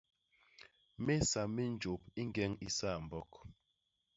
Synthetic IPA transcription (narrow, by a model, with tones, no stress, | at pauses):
me˦sa˨mi˦n̩˦d͡ʒo˨p̚i˦ŋ˦ɡɛ˦ŋi˦sa˦˨m̩˨bɔ˦k